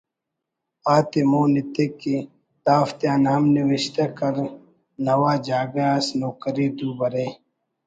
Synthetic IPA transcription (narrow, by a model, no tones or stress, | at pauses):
aːt̪imoːnit̪ekːi | t̪aːft̪jaːnamniwiɕt̪akɐɾ | nɐwaːd͡ʒaːɡeaːsnoːkəɾid̪uːbɐɾeː